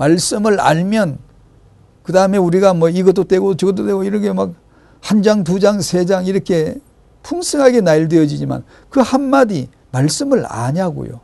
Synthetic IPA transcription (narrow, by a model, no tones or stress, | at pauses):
maɭs͈ɯmɯɭa̰ɭmjʌn | kɯdaɯme̞uɾiɡamwʌiɡʌt͈ot͈we̞ɡot͡ɕɯɡʌt̬͈ot͈eɡoiɾʌkʰemak̚ | hand͡ʑaŋt̬ud͡ʑaŋsʰe̞d͡ʑaŋiɾʌkʰe̞ | pʰuŋsʰɯŋɦaɡe̞naiɭdwe̞jʌd͡ʑid͡ʑima̰n | kɯhamːadi | maɭs͈ɯmɯɭa̰ɲaɡo̰jo̰